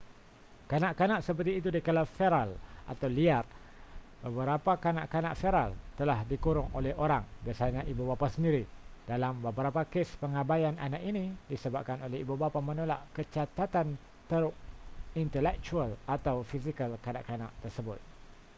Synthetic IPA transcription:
kanãʔkanãʔsəp̬ərt̪iːt̪̬udikəlafeɾalʔa̰t̪awliar | bəbəɾapakana̰ʔkana̰ʔfeɾalt̪əlahdikuɾʊŋo̰lɛhoɾaŋbasaɲãʔibubapasəndiɾidalambəbəɾapakespəŋabajana̰naʔinidisəbap̚kanolɛhibubapamə̃nola̰ʔkət͡ʃat̪at̪an | t̪əɾʊʔint̪əlɛk̚t͡ʃualat̪awfisikəlkana̰ʔkana̰ʔt̪ərsəbʊt̪̚

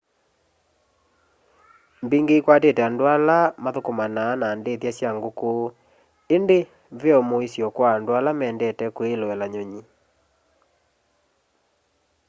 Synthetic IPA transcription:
mbeŋɡeikwatetɛandoalamaðokomanaːnaːndeðjasjaŋɡoko | ende | veɔmoisjɔkwaːndoalamɛːndɛtɛkweloɛlaɲoɲi

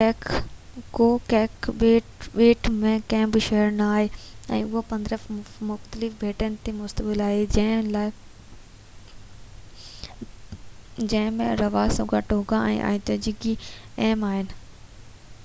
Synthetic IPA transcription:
kokɛːkeʈɓeːʈmẽkɛ̃ːbɪʃɐɦəɾnaːɦeɛ̰̃ːʊɦopɐ̃nd̪ɾəfmʊxt̪əlɪfbʱeːʈənɪ̆t̪emʊst̪əbɪlaːɦelaː | d͡ʑɐ̃ɦɪ̃mẽɾɐʋaːsoɡaʈooɡãʔɛ̰̃ːʔa̰ːĩt̪od͡ʑiɡiɛːmaːɦɪnɪ̆

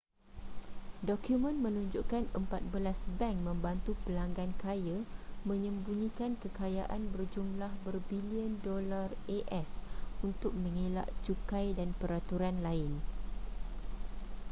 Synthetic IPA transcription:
dɔkjumə̃nmə̃nũɲd͡ʒuʔkanəmpat̪̚bəlasbɛŋkmə̃mbant̪upəlaŋɡankajamə̃ɲə̃mbunĩkankəkajaʔanbərd͡ʒumlahbərbiliəndɔlareʔɛsunt̪ʊk̚mə̃ŋela̰ʔt͡ʃukajdanpəɾat̪uɾanlaɪn

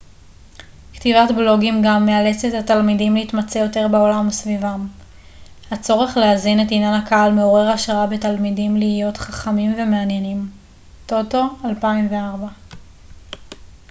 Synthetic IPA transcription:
ktivatblo̞ɡimɡamːeale̞t͡sethatalmidimlehitmat͡sejo̞te̞ʁbeo̞lamusvivam | hat͡so̞ʁe̞χleazinetinjanhakaalmeoʁe̞ʁaʃʁaabetalmidimliijo̞tχaχamimve̞meanjenim | to̞to̞alpaimveaʁba

